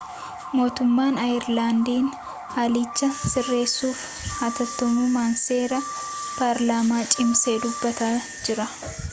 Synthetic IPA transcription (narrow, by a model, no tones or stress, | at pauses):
mo̞ːt̪ʊmːaːnɐɪɾlaːnd̪iːn | haːlɪt͡ʃːɐsɪrːe̞ːsːuːf | haːt̪ɐt̪ːɔmuːmaːnseːɾɐ | paːɾlaːmaːt͡ʃʼɪmsed̪ʊbːɐt̪a | d͡ʒɪɾɐ